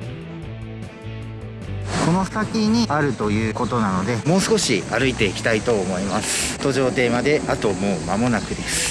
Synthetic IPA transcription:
ko̞no̞sakʲiɲ̟iaɾɯ̟t̪o̞jɯ̟ːko̞t̪o̞nano̞d̪e̞mo̞ːsɨ̥ko̞ɕiaɾɯ̟it̪e̞ikʲi̥t̪ait̪o̞ːmo̞imasɨ̥t̪o̞ʑo̞ːt̪e̞ːmad̪e̞at̪o̞mo̞ːmamo̞nakɯ̟d̪e̞sɨ̥

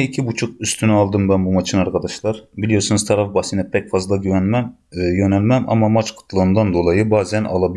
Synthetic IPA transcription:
ɛicʰibut͡ʃʰuq̚yst̪ʰynɛɑlˠd̪ɯmbɛnbumɑt͡ʃʰɯnɑɾkʰɑd̪ɑʃlˠɑɾbilijoɾsunuzt̪ʰɑɾɑfbɑsinɛpʰɛcfɑzlˠɑɡyɛnmɛm | jønɛlʲmɛmʔɑ̰mɑmɑt͡ʃqʰɯ̥t̪ʰlˠɯːnd̪ɑnd̪o̞lˠɑjɯbɑːzɛnʔɑ̰lˠɑbi

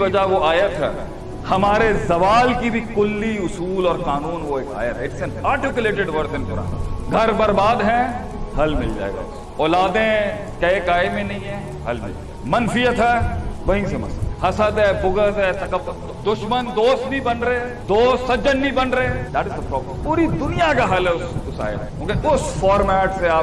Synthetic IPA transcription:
bɐd͡ʒaʋoʔaːjat̪ʰɦɛ̰ː | hɐmaːɾezɐʋaːlkibʱikʊlːiʊsuːlɔːɾkaːnuːnʋoeːka̰ːjat̪ʰɛɪʈsɛnaːɾʈɪkjʊleːʈɪɖʋɐɾt̪ɪnpʊɾa̰ːn̰ɡʱɐɾbɐɾbaːd̪ɦɛ̃ | hɐlmɪ̰ld͡ʒa̰ːḛɡa̰os | ɔːlaːd̪ẽ | kɐekaːemẽnɐɦĩɦɛ̃ | ɦɐlbʱḭ | mɐnfɪjət̪ɦɛːbɐɦɪ̃ŋsemɐ̰shɐsət̪ɦɛbʊɡət̪ɦɛt̪ɐkəpː | d̪ʊʃmənd̪oːst̪̚bʱibɐnɾəɦe | d̪oːst̪sːɐd͡ʒənbʱibɐnɾəɦẽd̪æːʈɪzd̪əpɾɔːbləmpuːɾid̪ʊnijakaɦɐlɦɛʊsʊsa̰ːjə̰ɾjõːkeʊsfɔːɾmɛːʈseaː

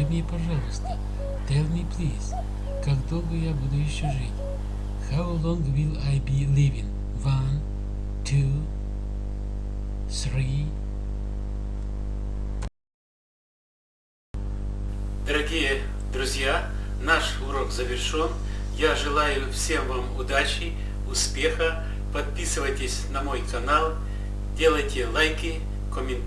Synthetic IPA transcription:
ɨmʲnʲipɐʐalˠəst̪ə | t̪ɛlʲˠmʲiplʲis | kaɡd̪olˠɡəjabud̪ʊjɪɕːoʐɨtʲ | xawlˠoŋɡwilˠajbʲilʲivʲɪn | van | t̪ʰu | srʲi | d̪ɐɾɐɡʲijed̪ɾʊzʲjanaʂʊɾokzɐvʲɪrʂoɔnjaʐɨlˠajʊfsʲemvamʊd̪at͡ɕɪ | ʊspʲexɐ | pɐt̪̚pʲisɨvəjtʲɪsʲnɐmojkɐnalˠ | dʲelˠɐjtʲɪlˠajkɪ | kɔmʲɪn

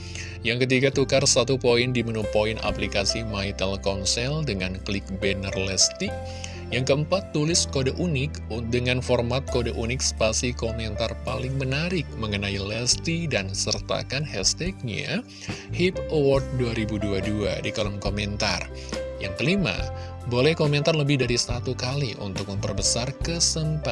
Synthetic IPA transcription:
jaŋkət̪iɡat̪ukarsat̪upoɪndimənupoinʔa̰plikasimait̪ɛlkɔnsɛldəŋanklɪk̚bɛnərlɛst̪i | jaŋkəəmpat̪ːulɪskodaʔunɪk | dəŋanfɔrmat̪̚kodaʔunɪkst̪asikomɛnt̪arpalɪŋmənaɾɪk̚məŋənailɛst̪idansərt̪a̰kanhɛst̪ɛk̚ɲa̰ | hip̚əwɔrt̪̚duaɾibuduadua̰dikalɔmkomɛnt̪a̰r | jaŋkəlima̰ | bolɛhkomɛnt̪arləbɪhdaɾisat̪ukaliʔṵnt̪ʊk̚məmpərbəsarkəsəmpat̪̚

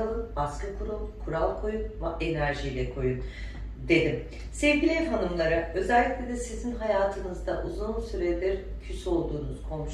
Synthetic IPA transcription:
alˠɯnbaskakʰuɾulˠkʰuɾalˠkʰo̞junvaʔe̞næɾʒijlʲɛkʰo̞jun | d̪e̞d̪im | sevɟʲilʲt̪ɦanɯmlˠaɾaø̞zɛlʲːiclʲed̪ɛsizinɦajaːt̪ʰɯnɯzd̪aʔuzunsyɾelʲiɾ | cʰysyo̞lˠd̪uːnuz̥kʰo̞mʃ

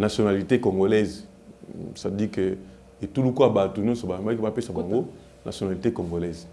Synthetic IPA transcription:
nasjonalitekoŋɡolɛz | sadike | etulukuabatoɲjɔ̃nsɔbaemakiapesabaŋɡo | nʔasjonalitekoŋɡolɛz

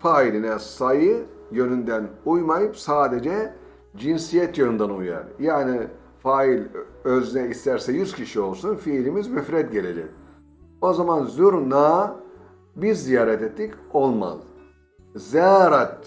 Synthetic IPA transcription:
faːilʲinɛsajɯjø̞nynd̪ænujmajɯpsaːd̪e̞d͡ʒɛ | d͡ʒinsijɛt̪jønynd̪anuja̰ɾjaːni | faːilʲøzynɛist̪ʰæɾsɛjyzcʰiʃio̞lˠsunfiːlʲimizmyfɾɛt̪̚ɟe̞lʲe̞d͡ʒɛ̰c | o̞zamanzyɾnaː | biɾzijaːɾɛt̪et̪ʰːico̞lˠma̰z | zɛɾat̪̚

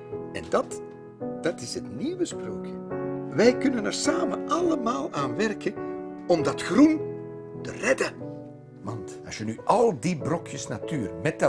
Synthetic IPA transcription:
ɛ̰ndɑt | d̥ɑtɪsɦətniʋəspro̰ːkjəʋɛjkɵnənɛrsaːmə̰ʔɑləmaːlˠaːnʋɛrkəɔmdɑtxrun | tə̰rɛdə | mɑntɑsjənyʔɑlˠdibrɔkjəsnatyːrmɛtə

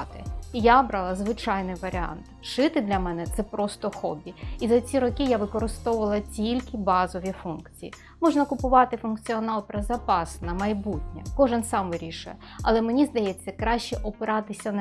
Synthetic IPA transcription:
t̪ɪjabɾɑlˠɐzʋɪt͡ʃɑjnɪjʋɐɾʲɪɑ̰nt̪ʃɪt̪ɪd̪lʲɐmɛnɛt̪sɛpɾɔst̪ɔxɔbʲiizɐt͡sʲiɾɔkʲijaʋɪkɔɾɪst̪ɔʊʋɐlˠɐtʲilʲkɪbɑzɔʋʲifunkt͡sʲiji | mɔʐnɐkʊpʊʋɑt̪ɪfʊnkt͡sʲiɔnɑlˠpɾɐzɐpɑsnɐmɐjbutʲnʲɛ̰kɔʒɪnsɑmʋɪɾʲiʃʊjɛ | ɐlˠɛmenʲizd̪ɐjɛt͡sʲːɐkɾɑʃt͡ʃɛʔɔpɪɾɑt̪ɪsʲɐn

